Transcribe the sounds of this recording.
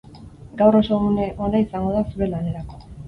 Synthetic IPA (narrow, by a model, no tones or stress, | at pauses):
ɡawro̞souneʔo̞naisaŋɡo̞ð̞asuɾe̞lane̞ɾako̞